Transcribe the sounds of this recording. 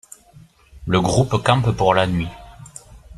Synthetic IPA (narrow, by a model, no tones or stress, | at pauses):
ləɡʁupkɑ̃ppuʁlanɥi